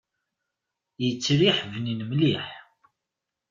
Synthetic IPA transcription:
jət͡sːɾiħvninəmliħ

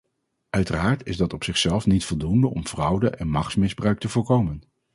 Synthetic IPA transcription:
ʔœɥtəraːɹtɪzdɑtɔpsɪχsɛlˠfnitfɔlˠdundəʔɔ̰mv̥rʌwdəʔɛnmɑχtsmɪzbrœɥk̚təvʊːɹkowmən

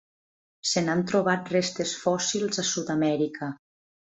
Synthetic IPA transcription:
senant̪ɾoβat̪rest̪esfɔsilˠzasud̪amɛɾikʰa

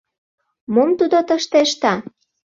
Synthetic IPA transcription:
momt̪ud̪ot̪əʃt̪eʃt̪ɑ

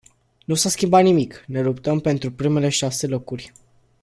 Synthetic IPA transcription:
nusaskʲimbat̪nimikne̞lupt̪əmpe̞nt̪ɾupɾime̞le̞ʃase̞lo̞kurʲ

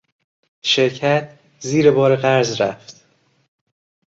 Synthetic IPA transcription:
ʃeɾcʰæt̪̚ʰ | ziːɾebɒːɾeɣæɾzɾæ̰ft̪

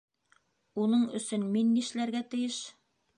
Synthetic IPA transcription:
unɤɴɵ̆sɵnminːiʃlæɾɡæt̪ɘ̆jɘʃ

